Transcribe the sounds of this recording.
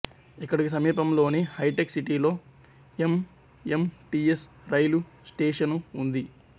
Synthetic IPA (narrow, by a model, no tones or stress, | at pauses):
ikːɐɽikis̬ɐmiːpɐmlo̞ːnehɐjʈeksiʈiːlo̞ː | em | emʈies | ɾɐjlusʈeːʂɐnund̪i